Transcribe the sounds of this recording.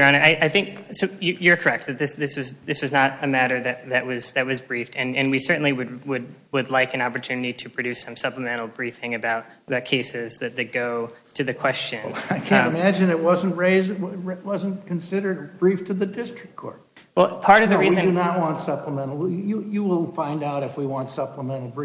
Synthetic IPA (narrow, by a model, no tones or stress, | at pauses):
ɑ̃ñɨaɪʔaɪθɪ̃ŋksoʊjɨjə˞kʰə˞ɛk̚t̪̚ðɨt̪̚ðɪsðɪswʌzðɪswʌznəɾɨmæɾə˞ðɨt̪̚ðɨʔ̚wʌz̥ðɨt̚wʌzbɹiftɨ̃nɨ̃nwisɜ˞ʔn̩liwɨd̚wɨd̚ | wɨdˡlaɪkɨ̃nɑpə˞tʰʉnɨɾiɾɨpʰɹ̥ɨdʉsʌ̃msʌpləmɛ̃ɾ̃l̩ˠbɹifɪ̃ŋɨbaʊɾ | əbaʊt̚kʰeɪsɪzðɨt̪̚ðɨɪɡoʊ | ɾɨðɨkʰw̥ɛst͡ʃɨ̃naɪkʰæ̃ɨmæd͡ʒɨ̃nɨt̚wʌz̃n̩ʔɹeɪz̚wʌz̃nkʰɨ̃nsɪɾə˞db̥ɹiftʰɨðɨdɪstɹ̥ɨkkʰɔ̰ɹt̚ | wɛlˠpʰɑɹɾʌvðɨɹiɨ̃nɨnət̚wɑ̃ntsʌpləmɛ̃ñl̩ˠjɨjɨwɪlˠfãɪ̃ndaʊɾɨfwiwɑ̃ntsʌpləmɛ̃ñl̩ˠbɹi